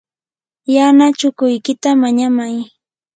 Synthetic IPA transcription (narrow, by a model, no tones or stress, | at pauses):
janat͡ʃʊkʊjkɪt̪amaɲamaj